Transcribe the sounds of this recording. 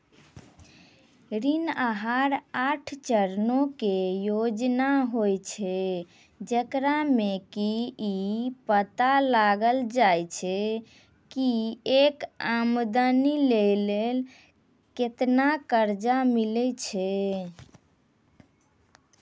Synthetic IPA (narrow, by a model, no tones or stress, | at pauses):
ɾinaɦaɾaʈʰt͡ʃəɾnokejod͡ʒnaɦojt͡ʃʰɛ | d͡ʒəkɾamekiipət̪alaɡəld͡ʒajt͡ʃʰɛ | kiekamd̪ənilelel | ket̪nakəɾd͡ʒamilɛt͡ʃʰɛ